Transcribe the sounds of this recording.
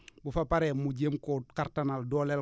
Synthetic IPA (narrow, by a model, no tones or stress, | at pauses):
bufapaɾɛmuɟemkɔkaɾtanaldɔːlɛl